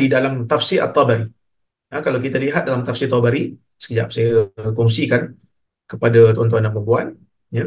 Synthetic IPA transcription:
idalamt̪afsɪʔa̰t̪ˤːɔbaɾi | akalawkit̪aliɦat̪̚dalamt̪afsɪt̪ˤɔbaɾi | sə̥kəd͡ʒap̚sajakɔŋsikan | kəpadat̪ɔnt̪̬ɔanampəbuan | ja

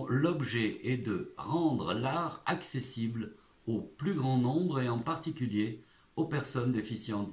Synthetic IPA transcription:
lɔbʒɛɛd̪əʁɑ̃d̪ʁəlaʁaksesibl | oplyɡʁɑ̃nɔ̃bʁeɑ̃paʁt̪ikʲylje | opɛʁsɔnd̪efisjɑ̃

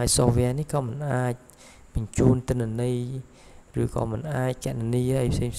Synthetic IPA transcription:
aəjsohʋɛ̆ənihkɑːmɨnʔaːc̚ | ɓɑɲt͡ɕuːnt̪ɨ̆nːɛ̆nɨj | rɨːkɑ̰ːmɨnʔaːc̚kɛ̆ʔɗaniəːʔəjpʰseːŋpʰ

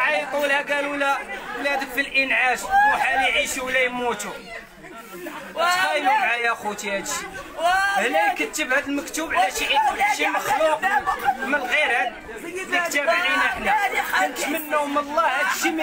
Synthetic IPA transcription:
ʕɑjt̪ˤulhæɡælulæwlæd̪əffilʔənʕaʃħaniʕiʃuwlːæjmut̪u | t̪ɣɑjləbʕajæxut̪ihæd̪ʃi | hlæjkət̪ːəbhæd̪əlməkt̪ubʕlæʃiʔikʊlːæʃiməxluqmənɣiɾhæ | fit̪ːæbʕinəħnækənt̪mənːuwməlˤːhæd̪ʃim

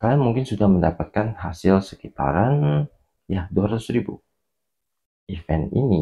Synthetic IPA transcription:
kaamuŋkɪnsudahməndapat̪̚kanɦasɪlsə̥kit̪a̰ɾan | jaduaɾat̪ʊsɾibṵ | ʔifɛnḭni

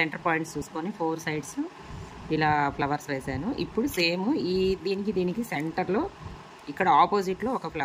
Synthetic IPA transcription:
seɳʈɐɾpaːjɳʈst͡ʃuːsu̥koːnipʰo̞ːɾsɐjɖs | ilaːplɐʋɐɾsʋeːsaːnuʔḭpːuɽuse̞ːmuiːd̪iːnikid̪iːnikiseɳʈɐɾlo̞ː | ikːɐɽɐaːpoːsiʈlo̞ːɔkɐplɐ

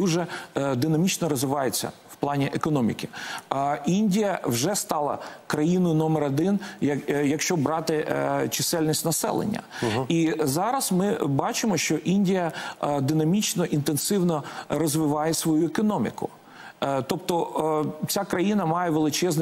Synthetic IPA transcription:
d̪uʒɛd̪ɪnɐmʲit͡ʃnɔɾɔzʋɪʋɑjet͡sʲːɐ̰wplˠɑnʲiʔekɔnɔmʲḭkʲɪ | inʲdʲijɐwʒɛst̪ɑlˠɐ̰kɾɐjinɔjʊnɔmeɾɐd̪ɪnjɐjɐkʃt͡ʃɔbɾɑt̪ɪt͡ʃɪsɛlʲnʲisʲtʲnɐsɛ̰lˠḛnʲːɐ̰izɑɾɐsmɪbɑt͡ʃɪmɔʃt͡ʃɔʔinʲdʲijɐd̪ɪnɐmʲit͡ʃnɔʔint̪ensɪwnɔrɔzʋɪʋɑjɛsʋɔjuekɔnɔmʲɪ̰kʊ̰ | t̪ɔpt̪ɔʔt͡sʲakɾɐjinɐmɑjɛʋelˠɪt͡ʃɛzn

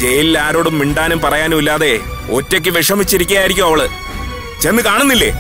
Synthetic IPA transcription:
d͡ʑe̞jililaːɾo̞ːɽumːiɳɖaːnumpɐrɐjaːnumilːaːðe̞ | o̞tːo̞k̬ʲːɨʋiʂɐmit͡ɕːiɾikʲːuɣjaːjiɾikʲːumɐʋɐɭɨ | t͡ɕe̞nːɨkaːɳunːilːe̞̰ː

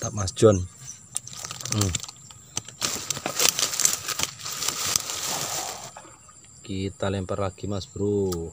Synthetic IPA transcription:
t̪aʔmasd̥ʒ̥ɔn | kit̪alɛmpərlaɡ̥imasb̥əɾu

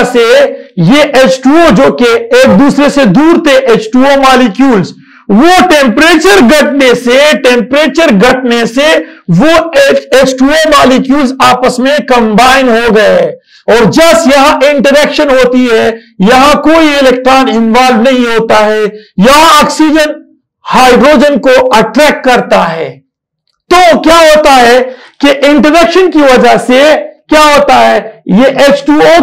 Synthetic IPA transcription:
sejeʔeːt͡ʃʈuod͡ʒoːkeeːk̚d̪uːsɾesed̪uːɾt̪ʰeʔeːt͡ʃʈuomaːlikjuːlz | ʋoʈẽmpɾeːt͡ʃəɾɡɐʈneseʈẽːmpɾeːt͡ʃəɾɡɐʈʰneseʋoeeːt͡ʃʈuomaːlikjuːlzaːpəsmẽkɐ̃mbaːɪnɦoɡɐe | ɔːɾd͡ʒɐsjɐɦãʔɪ̃ɳʈəɾɛkʃənɦoːt̪iɦɛ | jɐɦãkoːiɪlɛk̚ʈɾaːnɪ̃nʋaːlʋnɐɦĩɦoːt̪aɦɛːjɐɦãɔːksiːd͡ʒən | haːɪɖɾoːd͡ʒənkoɐʈɾɛːkːɐɾt̪aɦɛː | t̪oːkjaːɦoːt̪aɦɛːkeʔɪ̃ɳʈəɾɛkʃənkiʋɐd͡ʒəɦsekjaːɦoːt̪aɦɛːjeʔeːt͡ʃʈuːo

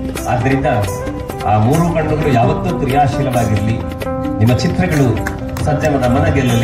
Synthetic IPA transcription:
ɐd̪ːɐɾind̪ɐ | aːmuːɾuːkɐɽɐd̪ɐɡɐɭujaːʋɐt̪ːut̪ɾijaːʃiːlɐʋaːɡiɾli | nimːɐt͡ʃit̪ɾɐɡɐɭu | sɐɲd͡ʒɐmɐd̪ɐmɐnɐɡɛlːɐlːi

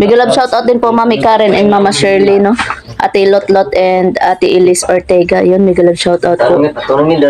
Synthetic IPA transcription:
mɐɡɐlabʃawt̪ʔawt̪̚d̪ɪnpoʔmamɪkaːɾɛnʔɛnmamɐsɛɹlino | ʔa̰ːt̪ɪlot̪lot̪ʔɛnd̪ʔat̪ɪʔɪlɪsoɹt̪ɛɡɐjʊnmɪɡɐlab̚ʃawt̪ʔawt̪̚po

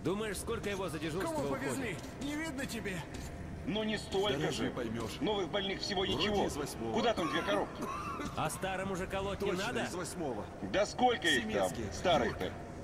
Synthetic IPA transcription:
d̪uməjɪʂskolʲkəjɪvo̞zədʲɪʐukɐvopəvʲɪolʲi | nʲɪvʲid̪̚nətʲɪbʲe | nonʲɪst̪o̞lʲʐɨpɐjmʲoʂnovɨɣbɐlʲnɨxfsʲɪvonʲɪt͡ʃɪvozvɐsʲmovkʊd̪at̪amd̪ʲvʲekɐɾopkʲɪɐst̪aɾəmʊʐɨkɐlˠot̪̚ʲɪnad̪əzvɐsʲmovə̰ | d̪ɐsko̞lʲkəiɪmʲea̰mkʲɪst̪aɾɨxt̪ə̰

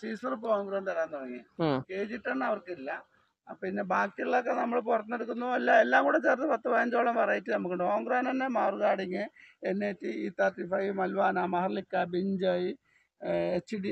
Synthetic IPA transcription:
siːsɐrɨpːkoːŋɡroːɳɖt̪ɐɾaːnːɐʋɐŋːikeːd͡ʑiʈːɐɳːɐʋɐrkilːɐ | ɐpːinːebaːkːiɭiɭok̬ːenɐmːɐɭpurɐt̪ːnːeɽukːunːuelːaelːaːmŋɡuːɽet͡ɕeːrt̪ːɨpɐt̪ːɐbaːjɐnd͡ʑoːɭɐmpɐrɐjitːɨnɐmːukːɐɳɖɨkoːŋɡroːnenːemaːrɣaːɽiŋːɨenːetːiiːt̪atːifɐjmɐlʋaːnamɐhɐrlikːabiɲd͡ʑɐji | et͡ɕːɖi

